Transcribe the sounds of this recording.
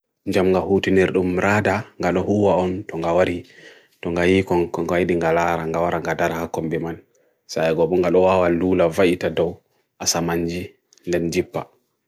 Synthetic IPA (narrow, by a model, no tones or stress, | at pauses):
ɲd͡ʒamŋɡahutiniɾɗumɾʔaːdaŋɡaɗɔhuwaɔntɔŋɡawaɾi | tɔŋɡajikɔŋɡajiɗiŋɡalaɾaŋɡawaɾaŋɡadaɾahakːɔmbɛman | saɛɡɔɓɔŋɡaɗɔwawaluːlavaʔitadɔw | ʔasamaɲd͡ʒi | ndɛnd͡ʒipːa̰